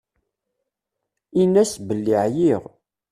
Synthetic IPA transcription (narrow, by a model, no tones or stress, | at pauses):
inːæsbəlːiʕjiʁ